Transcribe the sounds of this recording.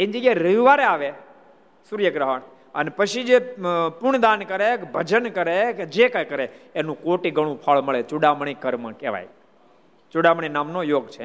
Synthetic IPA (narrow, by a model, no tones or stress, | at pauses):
end͡ʒiɡeɾəʋiʋaɾeaʋe | suɾjəɡɾəɦəɳ | ənepət͡ʃʰid͡ʒepʊɳd̪ankəɾekbʱəd͡ʒənkəɾeked͡ʒekajkəɾeːnũkoʈiɡəɽ̃ũpʰəɭməɭet͡ʃuɽaməɳ̃ikəɾməkeʋa̰j | t͡ʃuɽaməɳ̃inamnojoːɡt͡ʃʰe